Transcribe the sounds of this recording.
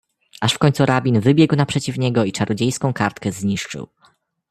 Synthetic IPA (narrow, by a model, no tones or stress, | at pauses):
aʂfkɔɲʲt̪suɾabʲinvɘbʲjɛɡwnapʂɛt͡ɕifɲɛɡɔit͡ʂaɾɔd͡ʑejskɔ̃w̃kaɾt̪kɛzɲiʂt͡ʂɘ̰w